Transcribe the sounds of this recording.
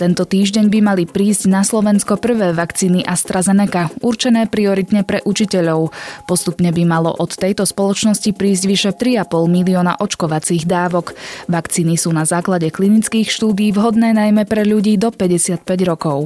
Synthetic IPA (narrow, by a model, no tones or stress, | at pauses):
t̪ɛnt̪ɔt̪iːʒɟɛɲbimalipɾiːzɟnaslɔʋɛnskɔpr̩ʋɛːʋakt͡siːniʔast̪ɾazɛnɛkauɾt͡ʃɛnɛːpɾiɔɾit̪ɲɛpɾɛʔut͡ʃicɛʎɔʊpɔst̪upɲɛbimalɔ̰ʔɔt̪ːɛjt̪ɔspɔlɔt͡ʃnɔscipɾiːzɟʋiʃɛt̪ɾiapɔlˠmiliɔːna̰ʔɔt͡ʃkɔʋat͡siːɣd̪aːʋɔkʋakt͡siːnisuːnazaːklaɟɛklinit͡skiːxʃt̪uːd̪iiːʋɦɔd̪nɛːnajmɛpɾɛʎuɟiːd̪ɔpɛɟɛsɪat̪̚pɛɟɾɔkɔʊ